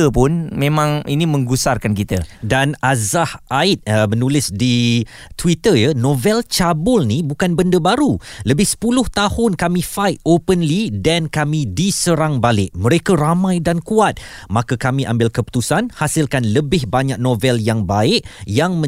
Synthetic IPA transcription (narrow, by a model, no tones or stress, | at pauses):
əpʊnmẽmãŋinĩmə̃ŋɡusarkankit̪ədanazahʔaɪt̪̚əmənulɪsdi | t̪wit̪əjənovɛlt͡ʃabʊlnibukanbəndəbaɾuləbɪhsə̥pulʊht̪ahʊnkamĩfajt̪̚opənlidankamĩdisəɾaŋbalɪʔ̚mə̃ɾekaɾamãjdankuat̪̚makakamĩʔa̰mbɪlkəpu̥t̪usanhasɪlkanləbɪhbaɲak̚nõvɛljaŋbaɪʔjaŋmə̃